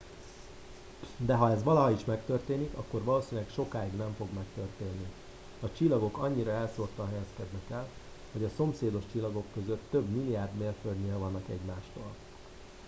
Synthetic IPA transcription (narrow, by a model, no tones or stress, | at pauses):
d̪ɛɦɒɛzʋɒlɒɦɒiʃmɛkt̪ørt̪eːnikɒ̰kːo̞rvɒloːsinilɛkʃo̞kaːiɡnɛɱfo̞ɡmɛkt̪ørt̪eːnːi | ɒt͡ʃilːɒɡo̞kɒɲːiɾɒɛlsort̪ɒɦɛjɛskɛd̪nɛkɛl | ho̞ɟɒso̞mseːd̪o̞ʃt͡ʃilːɒɡo̞kːø̞zøt̪ːøbmilːijaːrd̪meːrføld̪ɲeːlvɒnːɒkɛ̰ɟmaːʃt̪oːl